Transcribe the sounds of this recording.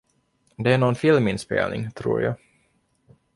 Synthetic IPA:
d̪ɛæɳɔnfɪlmɪnspḛːlnɪ̰ŋt̪ʰɾṵːɾjɑ̰ː

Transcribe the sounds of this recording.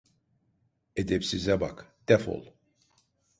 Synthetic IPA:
ed̪epsizæbɑ̰kd̪̥æfo̰lˠ

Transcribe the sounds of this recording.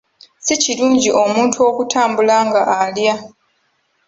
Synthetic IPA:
siciluːɲɟiʔo̞muːntʰuo̞ːkutʰaːmbulaŋɡaʔːlja

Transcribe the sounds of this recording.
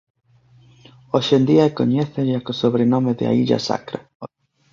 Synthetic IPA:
oʃend̪iaeko̰ɲɛθeʒakosoβɾenomeðɪ̰a̰iʎa̰sa̰kɾa

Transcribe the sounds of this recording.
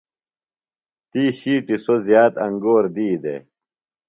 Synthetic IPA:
t̪iːɕiːʈisozjaːt̪ɐŋɡoːɾd̪iːd̪ḛ

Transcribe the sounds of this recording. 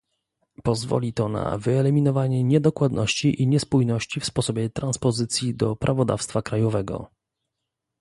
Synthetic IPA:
pɔzvɔ̰lʲit̪ɔna̰vɘɛlɛmʲinɔvaɲɛɲɛd̪ɔkwad̪nɔɕt͡ɕiʔiɲɛspujnɔɕt͡ɕifspɔsɔbʲjɛt̪ɾanspɔzɘt̪sʲjid̪ɔpɾʔavɔd̪a̰fst̪fakɾajɔvɛɡɔ̰

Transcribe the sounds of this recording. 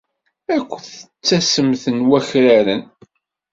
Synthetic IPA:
ækʷːθət͡sːæsəmθənwæçɾæɾən

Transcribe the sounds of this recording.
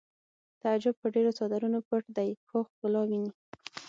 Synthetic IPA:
t̪aad͡ʒʊb̚pəɖeɾosɑd̪aɾunopəʈd̪ajxoxkʊlɑwini

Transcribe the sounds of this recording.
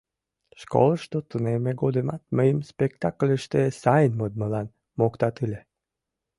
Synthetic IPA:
ʃko̰lˠəʃt̪ot̪unemeɡod̪əmɑt̪̚məjəmspekt̪aklʲəʃt̪esɑjənməd̪̚məlɑn | mokt̪ɑt̪ɨle

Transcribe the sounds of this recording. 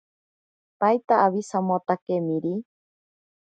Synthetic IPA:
pajt̪aʔːβisamot̪akemĩɾi

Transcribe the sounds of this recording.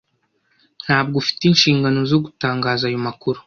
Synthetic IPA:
n̥haːb̚ɡofi̥teinʃiːŋɡano̞zo̞ɡutaːŋɡaːzaːjomakuɾu

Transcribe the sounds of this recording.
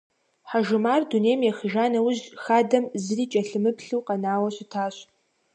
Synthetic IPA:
ħaʒɨmaːrduneːjmjɛxɨʒaːnɐwʊʑxaːdɐmzɨriːt͡ʃʼɐɬɨmɨpʰɬɨwqɐnaːwɐɕʊtʰaːɕ

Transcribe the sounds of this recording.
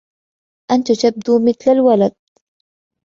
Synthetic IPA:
ʔant̪ʊt̪ab̚d̪uːmɪθlalwalad̪̚

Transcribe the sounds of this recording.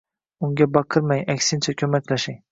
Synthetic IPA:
ʊŋɡʲabɑqʰɨɾmajakʲsɪnt͡ʃʰakʲʰɵmakʲlaʃɪŋ

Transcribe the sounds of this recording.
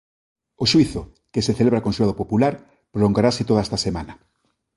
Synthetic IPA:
oʃwiθo | keseθeleβɾakonsulaðopopulaɾ | pɾoloŋɡaɾaset̪oðaɛst̪asemanɐ

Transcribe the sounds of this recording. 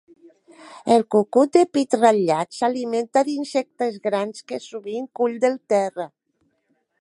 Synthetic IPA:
elkukut̪̚d̪epit̪raʎat̪saliment̪aðinsek̚t̪ezɣɾanskesuβiŋkuʎd̪elˠt̪ɛrə

